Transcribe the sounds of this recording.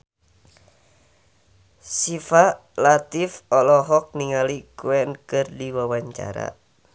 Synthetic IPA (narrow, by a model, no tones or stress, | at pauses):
sifa | lat̪ifɔlɔɦɔk̚niŋalikuɛnkɨrdiwawaɲt͡ʃa̰ɾa̰